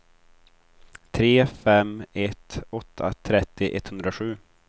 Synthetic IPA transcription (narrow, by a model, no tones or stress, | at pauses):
t̪ʰɾeːfɛmɛt̪ɔt̪ʰːa̰t̪ʰɾɛt̪ːɪʔɛt̪ːhɵnd̪ɾaɧʉ̟ː